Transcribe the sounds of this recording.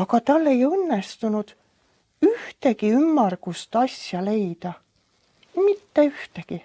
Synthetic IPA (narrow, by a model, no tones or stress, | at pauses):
ɑkɑt̪ɑlːe̞jɤnːest̪unud̪̥ | yht̪e̞ɡiymːɑrɡ̥ust̪ɑsjɑle̞jd̪ɑ | mit̪ːe̞yht̪eɡ̥i